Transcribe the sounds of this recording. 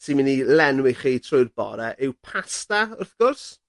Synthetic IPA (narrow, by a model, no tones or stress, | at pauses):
sɪmɪnilɛnwɪχiːtʰrʊjrbɔ̰ɾɛʔɪwpʰastaʊrθɡ̥ʊrs